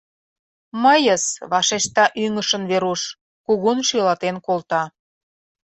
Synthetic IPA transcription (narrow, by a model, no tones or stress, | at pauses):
məjəsβɑʃeʃt̪ɑʔyŋəʃənβeɾuʃ | kuɣunʃylɑt̪enkolt̪ɑ